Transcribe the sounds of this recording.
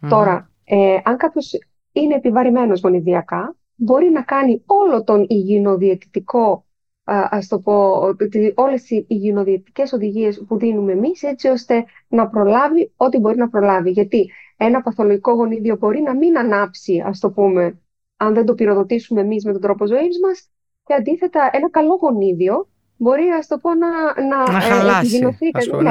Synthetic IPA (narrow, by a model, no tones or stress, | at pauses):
t̪o̞ɾɐ | eɐŋkɐpço̞s | ine̞ːpivɐɾime̞no̞zɣo̞niðiɐkɐ | bo̞ɾinɐkɐnio̞lo̞t̪o̞niʝino̞ðiet̪i̥t̪iko̞ | ɐst̪o̞po | o̞le̞siiʝino̞ðieit̪i̥ce̞so̞ðiʝie̞spuðinume̞ːmise̞t͡sio̞st̪e̞ | nɐpɾo̞lɐvio̞t̪ibo̞ɾinɐpɾo̞lɐviʝɐt̪ie̞nɐpɐθo̞loʝiko̞ɣo̞niðio̞bo̞ɾinɐminɐnɐpsiɐ̰st̪o̞pume̞ | ɐnðend̪o̞piɾo̞ðo̞t̪isume̞mizme̞t̪ond̪ɾo̞po̞zo̞izmɐs | ceɐnd̪iθe̞t̪ɐe̞nɐkɐlo̞ɣo̞niðio̞ | bo̞ɾiɐst̪o̞po̞nɐnɐeiʝinoθikɐne